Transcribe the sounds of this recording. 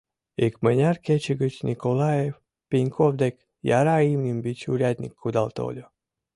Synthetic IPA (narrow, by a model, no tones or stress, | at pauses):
ikmənʲaɾkʲet͡ʃiɡɨt͡ɕnʲikolˠajef | pʲinʲkʰovd̪ek | ja̰ɾaimnʲimbʲit͡ʃuɾʲad̪ʲnʲḭkʰːud̪alˠt̪o̰lʲo